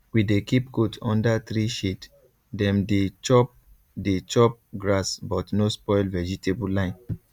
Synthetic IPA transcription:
widekip̚ɡotɔ̃ndatɹiʃet | dɛ̃mdet͡ʃɔp̚ | det͡ʃɔp̚ɡɹasbɔtnospɔɪlvɛd͡ʒitebulãɪ̃n

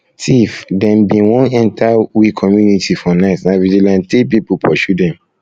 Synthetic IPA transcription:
tʰifdɛ̃mbĩwɔ̃nɛ̃ntʰawikʰɔmjunitʰifɔnaɪtnavid͡ʒilãntepipupʰɔʃudɛ̃m

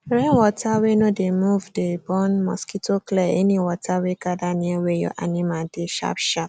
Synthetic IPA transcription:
ɾɛ̃nwɔtʰawenõdemuvdebɔ̃nmɔ̰skitoklɛḛnĩwɔtʰaweɡadanĩewejɔ̰ʔa̰nĩmadeʃa̰pʃap̚

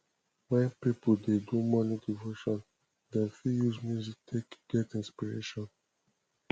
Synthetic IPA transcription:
wãpipodedumɔnidivoʃɔ̃n | dɛ̃nfijuzmjuziktʰekɡ̥ɛtĩnspiɹḛʃɔ̃n

